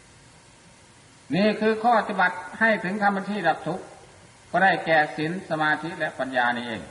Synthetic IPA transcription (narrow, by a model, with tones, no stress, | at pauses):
niː˧˥˩kʰɯː˧kʰɔː˧˩a˧t̪ʰi˧˩ba˨˩t̪̚ha˥˩jt̪ʰɯ˨˦ŋkʰa˧mba˧t̪ʰiː˥˩la˨˧˩k̚t̪ʰu˦˥ʔ̚ | bɔː˧˩ɾa˧˩jkɛː˨˩si˨˩˦nsa˧maː˧t̪ʰi˦˥lɛ˦ʔpa˧njaː˧niː˧˩˨ʔḛː˧˩ŋ